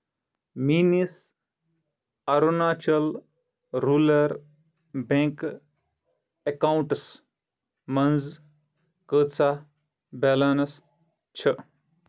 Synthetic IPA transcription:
minis | ɐɾunaːt͡ʃɐl | ɾuːlɐɾ | bẽŋk | ekauɳʈs | mɐnd͡z | kəːt͡sa | beːlanɐs | t͡ʃʰə

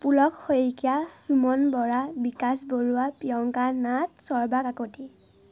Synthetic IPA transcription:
pulɔkxojkijasumɔnbɔɹabikasboɹuwapijɔŋkanat̚sɔɹbakakoti

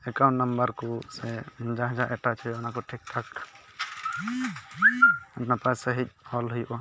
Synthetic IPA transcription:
ɛkaw̃ɳʈnəmbəɾkusɛd͡ʒaɦd͡ʒaʔɛʈat͡ʃʰɛɔnakɔʈʰik̚ʈʰak | ɛpnapasɛɦic̚ˀhɔlɦujʔɔ

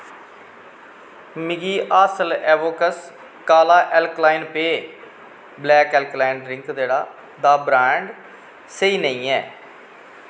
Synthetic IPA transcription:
mɪɡiːʔaːsəlɛːʋoːkəs | kaːlaːʔɛːlklaːɪnpeː | blɛːkɛːlklaːɪnɖɾɪŋkd̪eːɽaː | d̪aːbɾɛːɳɖ | səiːnəĩːɛ̰ː

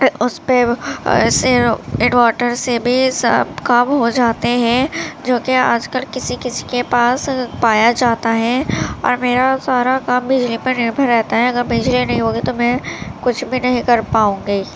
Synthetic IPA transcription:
ʊspeɪseɾɪɳwaːʈəɾsebʱisə̰bkamɦod͡ʒaːt̪eɦɛ̃d͡ʒoːkea̰ːd͡ʒkəlkɪsikɪsi̥kepaːspaːjad͡ʒaːt̪aɦɛɔ̰ːɾmeːɾasaːɾakaːmbɪd͡ʒlipɐnɪɾbʱəɾːɛɦt̪aɦɛɐɡəɾbɪd͡ʒlinɐɦĩɦoːɡit̪omɛ̃kʊt͡ʃʰbʱinɐɦĩkɐɾpaːũːŋɡiː

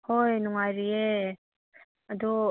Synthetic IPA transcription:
hojnuŋajɾie | ad̪u

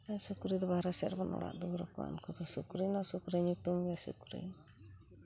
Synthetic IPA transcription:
asukuɾid̪ɔbaɦɾasɛɾbɔnɔ̰ɽa̰ʔd̪uɾɔkɔa̰nkɔd̪ɔsukɾinasukuɾiɲut̪umbiasṵkuɾḭ

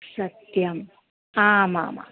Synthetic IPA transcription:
sɐt̪jɐm | aːma̰ːma̰ː

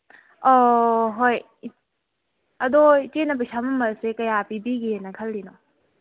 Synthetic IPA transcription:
oɦoj | ɐdot͡ʃenɐpɐsamɐmɐsekɐjapibiɡinɐkʰɐlːino

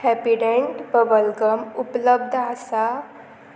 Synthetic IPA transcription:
hæpiɽeɳʈbəbəlɡəmupləbd̪ʱasa

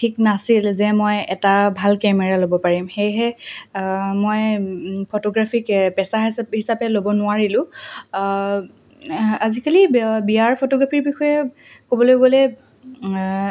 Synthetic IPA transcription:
tʰiknasilzɛmojɛtabʱalkɛmɛɹalobɔpaɹimxejɦɛ | mojpʰotɔɡɹapʰikpɛsaɦishisapɛlobɔnʊaɹilʊ̃ | azikalibijaɹpʰotɔɡɹapʰiɹbixɔjɛ | kobɔlojɡolɛ

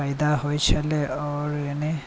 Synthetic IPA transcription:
ajd̪aɦojt͡ʃʰeleɔɾene

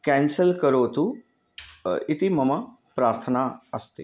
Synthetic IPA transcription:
kɛ̃ːnsəlkəɾoːt̪u | ɪt̪imɐma | pɾaːɾt̪ʰənaəst̪ḭ

